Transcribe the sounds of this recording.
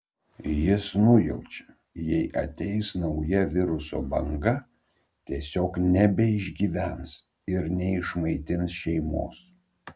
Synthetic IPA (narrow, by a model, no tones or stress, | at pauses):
jɪsnʊjɛʊt͡ʃʲɛ̥ | jɛɪʔɐt̪ʲɛɪsnɒʊjɛʋʲɪɾʊso̰ːbɐŋɡɐ | t̪ʲiɛsʲoːknʲɛbʲɛɪʒʲɡʲiːʋʲæns | ɪɾnʲɛɪʃmɐɪt̪ʲɪnsʃʲɛɪmo̰ːs